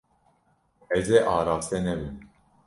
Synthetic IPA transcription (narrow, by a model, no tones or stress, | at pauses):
ɛzeʔɑːɾaːfsɛnɛbɨm